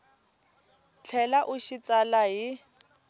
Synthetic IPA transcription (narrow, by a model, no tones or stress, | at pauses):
t͡ɬʰɛlaʔʊʃit͡salaɦɪ